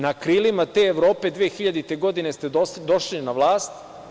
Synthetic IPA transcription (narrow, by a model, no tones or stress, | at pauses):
nakɾiːlimat̪eːʋɾo̞ːpe̞d̪ʋeːxiʎad̪it̪e̞ɡo̞d̪ine̞st̪e̞d̪o̞ʃlinaʋlˠaːst̪